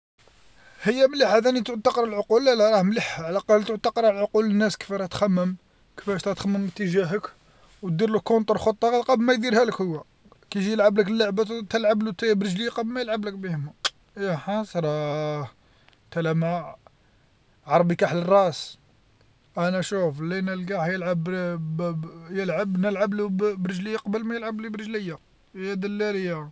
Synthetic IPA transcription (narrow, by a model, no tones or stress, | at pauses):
həjːæmləħæd̪ænit̪ʊʕt̪ɑqɾˤəlʕoqulːælæɾˤɑhmləħaʕlæqɑlt̪əʕt̪ɑqɾˤlʕoqulənːæskə̥fæɾæt̪xæmːəm | kə̥fæʃt̪ɾɑt̪xæmːəmːət̪ːəʒæɦək | wt̪̚d̪iɾləkːont̪əɾˤxot̪ˤːɑqɑt̪qɑblmæjd̪iɾhæləkhʊwːæ | kæʒijəlʕaəbləkəlːaʕbat̪t̪əlʕablut̪æjæbɾəʒliqəblmæjəlʕablək̚bihmæ | jæħɑsˤɾˤɑ | t̪ælæmæ | ʕɑɾˤbikaħlərˤːɑʔs | ʔænæʃuflinəlɡaħjəlʕab | jəlʕabnəlʕablubɾəʒləjːaqɑbəlmæjəlʕablibɾəʒləjːa | jæd̪əlːæɾəjːa